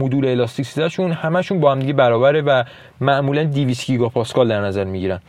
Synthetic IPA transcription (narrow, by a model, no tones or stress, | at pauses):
mod̪uːɾeːlɒst̪icsid̪æʃunhæmæʃunbɒːhæmd̪iɟebæɾɒːbæɾevæ | mæʔmuːlænd̪iviːst̪ɟiɡɒpʰɒːskɒːld̪æɾnæzæɾmiɟiɾæn